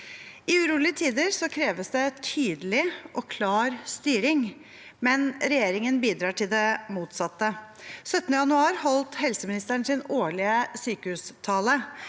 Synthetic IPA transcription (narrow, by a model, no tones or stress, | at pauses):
ɪʉɾuːlɪət̪ʰiːd̪əɾsɔkʰɾeːʋəsd̪ɛt̪ʰyːd̪əlɪʔɔkʰlɑːɾst̪yːɾɪŋ | mɛnɾɛjeːɾɪŋənbiːd̪ɾɑːʈɪld̪ɛmuːt̪sɑt̪ːəsœt̪ːnəjɑnʉɑːɾhɔlt̪hɛlsəmɪnɪst̪əɳsɪnoːɭɪəsyːkəhʉst̪ʰɑːlə